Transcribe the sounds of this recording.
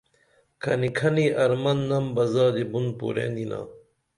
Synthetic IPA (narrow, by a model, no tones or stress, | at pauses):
kʰɐnikʰɐniɐɾmɐnːɐmbɐzaːd̪ebunpṵɾḛ̃ːnd̪ina̰ː